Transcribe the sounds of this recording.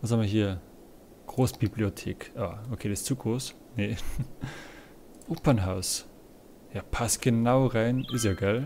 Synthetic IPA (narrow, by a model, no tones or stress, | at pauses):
vashamiɐɦiːɐ | ɡ̥ʁoːsb̥ibliotʰḛːkʔaːokʰeːdɛst͡suːɡʁoːs | ne | ʔoːpɐnɦaʊs | jaːpʰasɡ̥ənaʊʁaɪnʔɪs̬jaɡaɪl